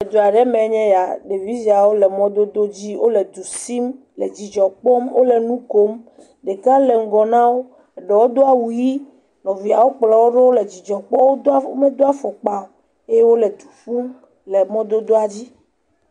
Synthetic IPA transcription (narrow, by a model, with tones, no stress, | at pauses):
e˨d̪o˨a˨ɖɛ˦mɛ̃˨˦ɲɛ̃˦ja˨ɖe˨vi˦zi˨˦a˨wo˦lɛ˨mɔ̃˦d̪o˦d̪o˦d͡ʑi˦wo˦lɛ˨d̪u˨si˦m | le˨d͡ʑi˨d͡ʒɔ˨k͡pɔ˦mwo˦lɛ˨nũ˦ko˦m | ɖe˨kã˦lɛ˨ŋ̩˦ɡɔ˨nã˦wo˦˨ | ɖɛ˨wo˦d̪o˦a˨wu˨ji˦ | nɔ̃˨vi˨a˨wo˦k͡plɛ˨wo˦ɖe˦wo˦lɛ˨d͡ʑi˨d͡ʒɔ˨k͡pɔ˦wo˦o˦me˦d̪o˦a˦fɔ˨k͡pa˨o˨ | e˦je˦wo˦lɛ˨d̪u˨fu˦m | lɛ˨mɔ̃˦d̪o˦d̪o˦a˨d͡ʑi˦